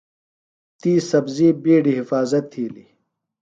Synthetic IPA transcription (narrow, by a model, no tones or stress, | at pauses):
t̪iːsɐbziːbiːɖiɦifaːzɐt̪ʰːiːlḭ